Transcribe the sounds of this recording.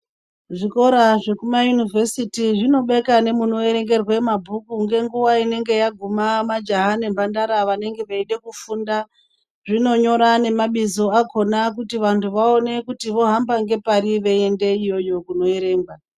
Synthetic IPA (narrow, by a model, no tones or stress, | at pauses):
ʐiko̞ɾaʐe̞kumajunivesitiʐino̞ɓe̞kane̞muno̞e̞ɾe̞ŋɡe̞rwe̞mabʱukuŋɡe̞ŋɡuʋaine̞ŋɡe̞jaɡʱumamad͡ʒaɦane̞mbandaɾaʋane̞ŋɡe̞ʋaiɗe̞kufunda | ʐino̞ɲo̞ɾane̞maɓizo̞akʰo̞nak̬utiʋantʰuʋao̞ne̞kutiʋo̞ɦambaŋɡe̞paɾiʋe̞ende̞ijo̞jo̞kuno̞eɾe̞ːŋɡwa